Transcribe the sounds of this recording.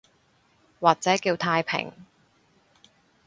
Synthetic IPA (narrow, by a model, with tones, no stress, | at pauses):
waː˨k̚t͡sɛː˨˥kiː˧wt̪ʰaː˧jpʰɪ̰˨˩ŋ